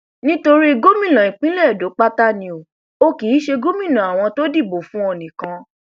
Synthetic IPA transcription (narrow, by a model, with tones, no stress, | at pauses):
nĩ˦to˧ɾi˦ɡo˦mĩ˦˨lã˨ĩ˨k͡pĩ˦lɛ˦˨do˨˦k͡pa˦ta˦nĩ˧o˨ | o˧ki˨˦ʃe˧ɡo˦mĩ˦˨nã˨a˨w̃ɔ̃˧to˦di˦˨bo˨fũ˦ɔ˧˨nĩ˨kã˧